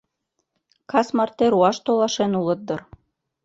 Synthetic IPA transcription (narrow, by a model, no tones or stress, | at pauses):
kɑsmɑrt̪eɾuɑʃt̪olɑʃenulɤ̆t̪̚d̪ɤ̆r